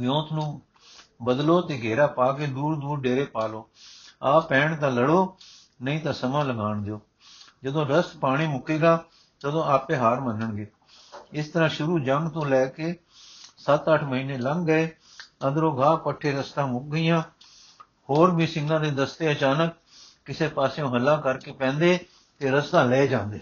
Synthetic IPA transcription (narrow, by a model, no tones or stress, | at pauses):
ɡjõːt̪nũː | bəd̪loːt̪eːɡeːɾaːpaːkeːd̪uːɽd̪uːɾɖeːɾeːpaːloːaːpɛ̃ːɳt̪ãːləɽoː | nəĩːt̪ãːsəmãːləɡaːɳd̪eoː | d͡ʒəd̪õːɾəspaːɽ̃iːmʊkeːɡaː | t̪əd̪õːaːpeːɦaːɾmənəɳɡeː | ɪst̪əɾãːʃʊɾuːd͡ʒəŋɡt̪õːlɛːkeː | sət̪əʈʰməɦiːneːləŋɡɡəeː | ə̃nd̪ɾoːɡʱaːpəʈʰːeːɾəst̪ãːmʊk̚ɡəiːjãː | hoːɾbʱiːsɪ̃ŋɡãːd̪eːd̪əst̪eːət͡ʃaːnək̚ː | ɪseːpaːsõːɦəlːãːkəɾkeːpɛ̃ːnd̪eː | t̪eːɾəst̪ãːlɛːd͡ʒãːnd̪eː